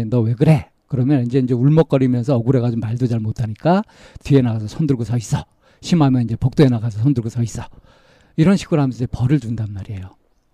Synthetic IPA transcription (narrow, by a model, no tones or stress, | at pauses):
nʌwe̞ɡɯɾe̞ | kɯɾʌmjʌnind͡ʑe̞ind͡ʑe̞uɭmʌk͈ʌɾimjʌnsʰʌʌɡuɾe̞ɣat͡ɕomːaɭdud͡ʑaɭmotʰaɲik͈a | tɥienaɡasʰʌsʰʌndɯɭɡosʰʌis͈ʌ | ɕʰimɦamjʌnind͡ʑe̞pok̚t͈oenaɡasʰʌsʰʌndɯɭɡosʰʌis͈ʌ̥ | iɾʌnɕʰi̥ɡɯɾoɦamʌnsʰʌid͡ʑepʌɾɯɭt͡ɕundanmaɾie̞jo